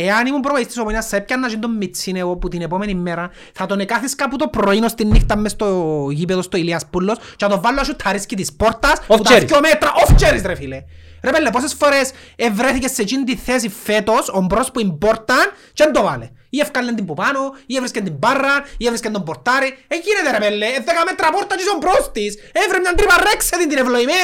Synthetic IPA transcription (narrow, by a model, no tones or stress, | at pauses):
eɐnimumpɾopoist̪isopoinɐsːɐep̚cːɐnːɐsind̪omːit͡sʰːineoput̪inepomenimːeɾɐ | θɐt̪onekaθiskaput̪opɾoinost̪inːift̪ɐmːest̪oʝipeðost̪oiliɐspulːost͡ʃeɐt̪ovalːosʃut̪ʰɐɾiscit̪ispoɾt̪ɐsput̪omet̪ɾɐʔoft͡ʃeɾisɾefileɾepelːeposesfoɾes | evɾeθicesːet͡ʃint̪iθes̬ifet̪osombɾospuimboɾt̪ɐn | t͡ʃend̪ova̰le | iefkalːend̪imbupanoievɾiskend̪imbarːɐnievɾiskend̪omboɾt̪aɾieʝinet̪eɾepelːeeðːekamet̪ɾɐpoɾt̪ːɐt͡ʃisombɾost̪isevɾemɲant̪ɾiparːekset̪int̪inevloime